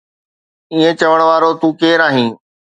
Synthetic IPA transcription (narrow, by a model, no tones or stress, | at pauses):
iːẽt͡ɕɐʋəɽ̃ʋaːɾot̪ũːkeːɾaːɦĩː